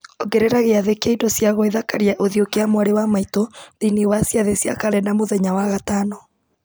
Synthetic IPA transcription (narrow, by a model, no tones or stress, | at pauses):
oɡɛɾɛɾaɣeaðekeaidɔsjaɣɔeðakaɾiaʔoðiokeamwaɾewamaitoðiniwasjaðesja̰kaɾɛnamoðɛɲawaɣatanɔ